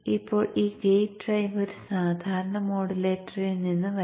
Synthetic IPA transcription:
ipːo̞ːɭiːɡejɖrɐjʋɐɾsaːd̪ʱaːɾɐɳɐmo̞ːɽileːʈːɐrilninːɨʋɐ

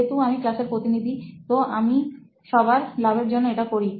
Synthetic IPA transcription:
et̪uamiklaseɾpɾot̪inid̪ʱit̪oʔami | ʃɔbaɾlabeɾd͡ʑonːoeʈakoɾi

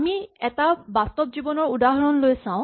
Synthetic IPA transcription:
miɛtabastɔbzibɔnɔɹudaɦɔɹɔnlojsãʊ̃

